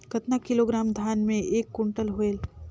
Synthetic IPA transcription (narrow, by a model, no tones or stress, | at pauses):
kɐt̪nakɪloːɡɾaːmd̪ʱjaːnmẽʔeːkːʊɳʈəlɦoel